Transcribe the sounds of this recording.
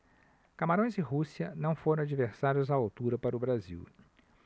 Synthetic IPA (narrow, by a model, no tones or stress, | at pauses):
kamaɾõj̃zɪɦusiɐnɐ̃w̃foɾɐ̃w̃ad͡ʒiveɾsaɾjʊzaawt̪uɾɐpaɾʊbɾazḭw